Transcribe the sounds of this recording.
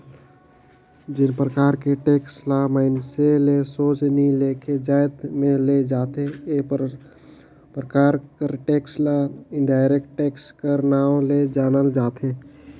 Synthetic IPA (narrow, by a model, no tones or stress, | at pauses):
d͡ʒɪnpɾəkaːɾkeʈeːkslamaːɪnselesoːt͡ʃnileːked͡ʒaːɪt̪mẽled͡ʒaːt̪ee | pɾəkaːɾkəɾʈeːkslaɪ̃ɳɖaːɪɾekʈʈeːkskəɾnaːõled͡ʒaːnəld͡ʒaːt̪eː